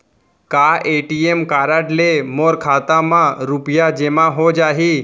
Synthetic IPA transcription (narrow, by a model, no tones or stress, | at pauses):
kaːeːʈiemkaːɾaʈlemoɾkʰaːt̪amãɾupjad͡ʒemãɦod͡ʒaːɦi